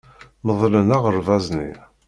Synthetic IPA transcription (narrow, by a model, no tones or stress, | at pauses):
məðˤlənaʁəɾˤvɑznḭ